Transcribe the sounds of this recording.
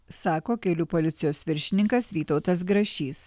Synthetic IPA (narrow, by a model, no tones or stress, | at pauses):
sɑːkoːkʲɛlʲuːpolʲɪt̪sʲɪjoːsʋʲɪɾʲʃʲɪnʲɪŋkɐsʋʲiːt̪ɒʊt̪ɐs̬ɡɾɐʃʲiːs